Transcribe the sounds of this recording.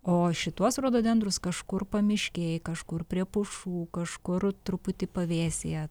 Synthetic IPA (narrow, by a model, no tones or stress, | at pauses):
oːʃʲɪt̪uɔsɾuɔd̪oːdʲɛnd̪ɾʊskɐʃkʊrpɐmʲɪʃʲkʲeːjkɐʃkʊrpʲɾʲiɛpʊʃuːkɐʃkʊrt̪ɾʊpʊt̪ʲɪpɐʋʲeːsʲejɛ